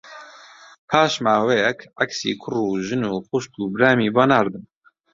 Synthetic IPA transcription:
pʰaːʃmaːwejɛkʰaksḭːkʰʊruːʒɨnuːxʊʃt̪uːbɾaːmiːbaːnaːɾd̪ɨn

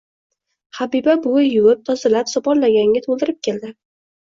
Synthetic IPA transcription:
habibabʊjʊwɪp̚t̪ʰɒzɪlapsɒpɒɾlaɡʲaŋɡʲat̪ʰolˠd̪ɪɾɪp̚kʲʰe̞ld̪ɪ

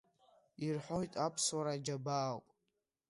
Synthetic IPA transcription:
irħʷo̞jtʼapʰswaɾad͡ʒabaːwpʼ

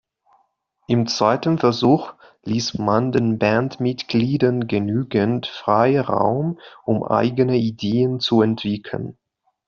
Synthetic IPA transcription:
ʔɪmt͡sv̥aɪtən̩fɛɐzuːx | liːsmandeːnbɛntmɪtɡ̥liːdɐnɡənyːɡəntfʁ̥aɪʁa̰ʊmʔʊmʔa̰ɪɡənəideːənt͡suɛntv̥ɪkʰlə̰n

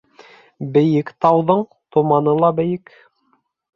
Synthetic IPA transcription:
bɘ̆jɘkt̪ɑwðɤɴ | t̪ŏmɑnɤlˠɑbɘ̆jɘk

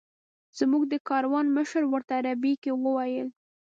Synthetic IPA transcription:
z̥muɡ̚d̪əkɑɾwɑnməʃəɾwəɾt̪aɾabikewəwajəl

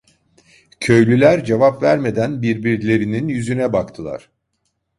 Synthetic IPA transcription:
cʰø̞jlʲylʲæɾd͡ʒe̞vapvæɾme̞d̪ænbiɾbiɾlʲe̞ɾininjyzynɛbakt̪ʰɯlˠa̰ɾ̥

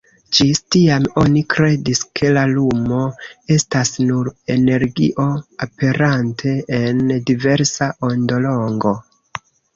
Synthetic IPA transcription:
d͡ʒistiamo̞nikɾe̞diskʰe̞lalumo̞e̞stasnuɾe̞ne̞ɾɡḭʔo̞ape̞ɾantʰe̞ːndive̞ɾsaʔondo̞lo̞ŋɡo̞

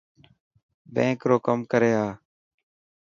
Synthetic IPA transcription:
bẽːkɾoːkəmkəɾeːɦaː

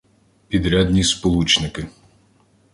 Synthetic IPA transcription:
pʲid̪ɾʲad̪ʲnʲispɔlˠut͡ʃnɪkɪ

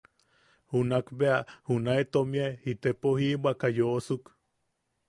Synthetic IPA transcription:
hunakbeahunaet̪omiaehit̪epohibʷakajoʔosuk

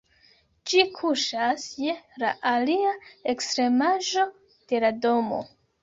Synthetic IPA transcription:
d͡ʒikʰuʃasje̞la̰ʔaliaekstɾe̞maʒo̞ | d̥e̞lado̞mo̞̰

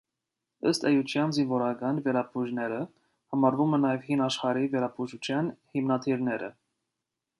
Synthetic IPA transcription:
əst̪ɛjut͡ʃʰjɑnzinvɔɾɑɡɑnvɛɾɑpʰuʒnɛɾə | hɑmɑɾvumɛnɑjɛvhinɑʃχɑɾivɛɾɑpʰuʒut͡ʃʰjɑnhimnɑt̪ʰiɾnɛɾə̰

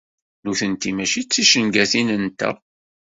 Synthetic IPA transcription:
nuθənt̪imæʃit͡sːiʃənɡæθinənt̪æ̰

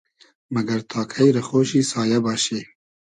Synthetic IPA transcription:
mɐɡɐɾt̪ʰɑːkʰɛjɾɨxoːʃiːsɑːjɛbɑːʃeː

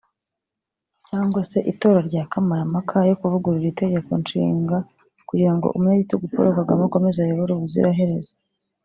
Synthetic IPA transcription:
caːŋɡwase̞ʔito̞ːɾaɾɟaːkamaɾamakʰajo̞kuvuɡuɾiɾite̞ɟe̞ko̞nt͡ʃḭːŋɡa | kuɟiɾaŋɡo̰ʔumɲaɟitoɡupo̰ɾokaɡamoko̞mezajoβoɾuβuzḭɾʔaɦe̞ɾe̞zḁ

